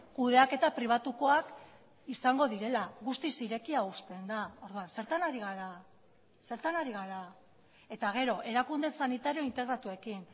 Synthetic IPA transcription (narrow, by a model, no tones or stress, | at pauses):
kuð̞e̞ake̞t̪apɾiβ̞at̪uko̞ak | isaŋɡo̞ðiɾe̞laɣust̪isiɾe̞kiaust̪e̞nd̪ao̞ɾðuanse̞ɾt̪anaɾiɣaɾa | se̞ɾt̪anaɾiɣaɾa | e̞t̪aɣ̞e̞ɾo̞ʔe̞ɾakund̪e̞sanit̪aɾio̞int̪e̞ɣ̞ɾat̪ue̞kin